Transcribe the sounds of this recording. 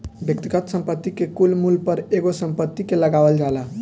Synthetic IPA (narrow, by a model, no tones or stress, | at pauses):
bjək̚t̪iɡət̪səmpət̪ːikekulmulpəɾeɡosəmpət̪ːikeləɡaʋəld͡ʒaela